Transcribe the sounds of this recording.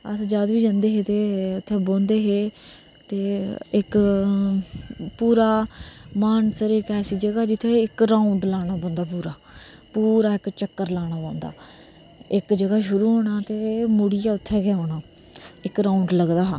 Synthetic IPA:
əsd͡ʒaːd̪ʋiːd͡ʒãːnd̪eːɦeːt̪eːʊt̪ʰːɛːbõːnd̪eːɦeː | t̪eːɪk | puːɾaːmaːnsəɾɪkɛːsiːd͡ʒəɡaːd͡ʒɪt̪ʰːeːɪkɾaːuɳɖlaːɽ̃aːbõːnd̪aːpuːɾaːpuːɾaːɪkt͡ʃəkːəɾlaːɽ̃aːbãːnd̪a̰ː | ɪkd͡ʒəɡaːʃʊɾuːɦoːɽaːt̪eːmʊɽɪjaːʊt̪ʰːɛːkɛːɦoːɽaː | ɪkɾaːuɳɖləɡd̪aː

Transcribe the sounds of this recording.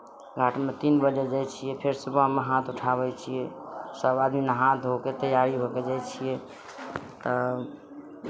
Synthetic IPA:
ɡʱaʈʰmet̪inbəd͡ʒed͡ʒajt͡ʃʰijɛpʰeɾsubəɦmeɦat̪uʈʰaβɛt͡ʃʰijɛsəbad̪minəɦãt̪ɦoket̪əjaɾiɦoked͡ʒajt͡ʃʰije | t̪ɔ

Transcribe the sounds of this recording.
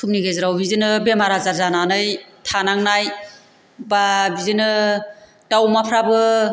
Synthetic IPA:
sʰumniɡezɯɾawbizinɯbemaɾazaɾzananɯjtʰanaŋnaj | babizɯnɯ | tawmapʰɾabɯ

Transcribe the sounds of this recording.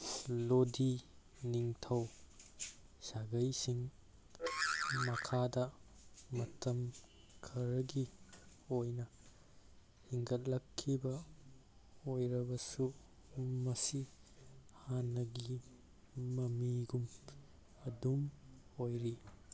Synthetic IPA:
lodi | niŋtʰɐw | saɡɐjsiŋ | mɐkʰadɐmɐtɐm | kʰɐɾɐɡi | ojnɐ | hiŋɡɐt̚lɐkʰːibɐ | ojɾɐbɐsu | mɐsi | hanːɐɡi | mɐmiɡum | ɐdumojɾi

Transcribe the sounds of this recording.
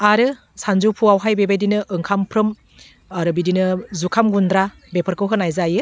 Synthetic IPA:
aɾɯ | sanzupʰuawɦajbebajdinɯʔɯŋkʰampʰɾɯm | aɾɯbidinɯzukʰamɡundɾa | bepʰəɾkʰɯwɦɯnajzajɯ

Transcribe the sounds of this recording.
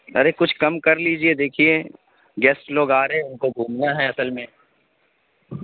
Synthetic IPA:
ɐ̰ɾekʊt͡ʃʰkɐmkɐɾliːd͡ʒied̪eːkʰie | ɡɛːsʈloːɡaːɾɦeʊnkoɡʱũːmnaɦɛɐsəlmẽ

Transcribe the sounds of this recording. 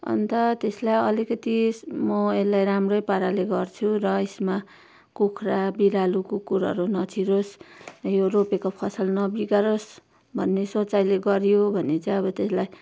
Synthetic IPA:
ʌ̰nt̪ʌt̪eslajʌlikʌt̪imʌelajɾamrʌjpaɾaleɡʌrt͡sʰurʌesma | kukʰrabiɾalukokuɾɦʌ̰ɾunʌt͡sʰiɾosjoropekopʰʌsʌlnʌbiɡaɾos | bʱʌnːesot͡sajleɡʌɾjobʱʌnet͡saĩj̃ʌβʌt̪eslaj

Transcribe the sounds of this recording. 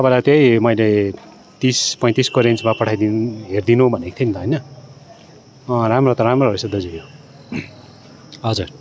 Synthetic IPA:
t̪ʌpajlat̪jejmʌjle | t̪ispʌj̃t̪iskoɾent͡smapʌʈʰajd̪inɦerd̪inobʱʌnekʰt̪ʰinʰʌɦʌjnʌ | ramrʌt̪ʌɾamroʌɾusʌd̪ʌd͡zijo | ɦʌd͡zuɾ

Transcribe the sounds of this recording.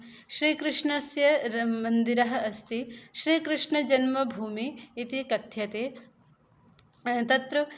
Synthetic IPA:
ʃɾiːkɾɨʂɳɐsjɐmɐnd̪iɾɐɦɐ̆ɐst̪iʃɾiːkɾɨʂɳɐd͡ʒɐnmɐbʱuːmiːt̪ikɐt̪ʰjɐt̪eː | t̪ɐt̪ɾɐ

